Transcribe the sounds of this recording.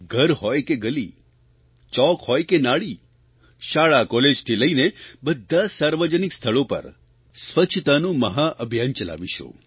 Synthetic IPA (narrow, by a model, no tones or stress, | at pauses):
ɡʱəɾɦɔjkeɡəli | t͡ʃɔkhɔjkenaɭi | ʃaɭakɔled͡ʒt̪ʰiləinebəd̪ʱːasaɾʋəd͡ʒənikst̪ʰəɭopə̰ɾ | sʋət͡ʃʰt̪anũməɦaʔəbʱjant͡ʃəla̰ʋiʃṵ